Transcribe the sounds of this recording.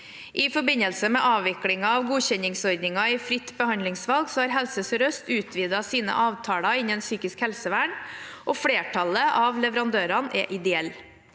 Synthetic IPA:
ʔɪfɔbɪnəlsəmɛʔɑːʋʋɪklɪŋɑɑʋɡuːçɛnɪŋsɔɾd̪nɪŋɑɪfɾɪt̪ːbəhɑnlɪŋsʋɑlɡsɔːhɑːɾɦɛlsəsɾœst̪ʉːt̪ʰʋiːd̪ɑsiːnə̰ʔɑːʋt̪ʰɑːɽɑɪnɛnsyːkɪskhɛlsəʋæːɳʔɔfɽeːʈʰɑləʔɑʋlɛʋəɾɑnd̪øːɾɑnʔɛ̰ːʔɪd̪ɛɛlː

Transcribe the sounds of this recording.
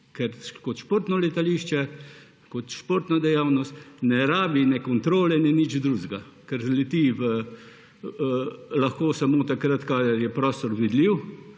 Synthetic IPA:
kɛɾkɔt̪ʃpoːɾt̪nɔlɛt̪aliʃt͡ʃɛ | kɔt̪ʃpoːɾt̪nad̪ɛjaːwnɔst̪nɛɾaːbinɛkɔnt̪ɾoːlɛnɛnid͡ʒd̪ɾuːzɡa | kɛɾzlɛt̪iʋə | laxkoːsamoːt̪akɾat̪kaːd̪ɐɾjɛpɾɔːst̪ɔɾʋid̪liw

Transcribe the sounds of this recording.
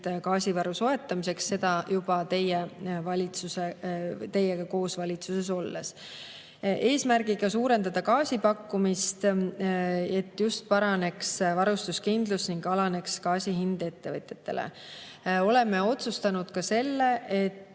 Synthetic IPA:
kɑːsivɑɾuso̞e̞t̪ːˑɑmise̞ksːe̞d̪̥ɑjub̥ɑt̪e̞jevɑlʲit̪suset̪e̞jːeɡ̥ɑko̞ːsvɑlʲit̪suse̞s̬o̞lːḛs | ʔe̞ːsmærɡ̥iɡ̥ɑsuːɾe̞nd̪ɑd̪̥ɑkɑːsʲipɑkːumist̪ | e̞t̪ːjust̪̚pɑɾɑne̞ksvɑɾust̪uskind̪̥lusniŋɡɑlɑne̞kskɑːsiɦind̪̥e̞t̪ːe̞vɤt̪ʲjet̪ːe̞̰lʔḛ | o̞le̞mːeo̞t̪sust̪ɑnud̪̥kɑse̞lːe̞ʔet̪ː

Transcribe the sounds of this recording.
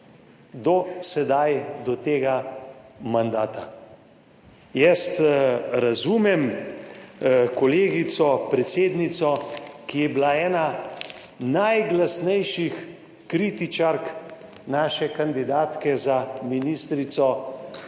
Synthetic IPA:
d̪ɔsɛd̪ajd̪ɔt̪eːɡa | mand̪aːt̪a | jɛst̪ɾazuːmɛm | kɔleːɡit̪sɔpɾɛt̪seːd̪nit̪sɔkijɛbilaɛːna | najɡlasnɛjʃix | kɾiːt̪it͡ʃaɾk | naːʃɛkand̪id̪aːt̪kɛzaminist̪ɾit̪sɔ

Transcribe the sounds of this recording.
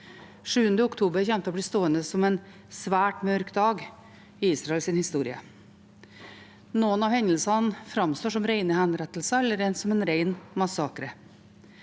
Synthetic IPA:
ʂʉːənd̪əʊkt̪ʰuːbəɾçɛmt̪əɔːbliːst̪oːənd̪əsɔmɛn | sʋæːʈmœɾkd̪ɑːɡ | ɪiːsɾɑɛlsɪnhɪst̪uːɾɪə̰ | noːənɑʋhɛɲəlsɑnfɾɑmst̪oːʂɔmɾeɪnəhænɾɛt̪l̩səɛlːəɾɛnsɔmɛnɾeɪnmɑsɑːkɾə

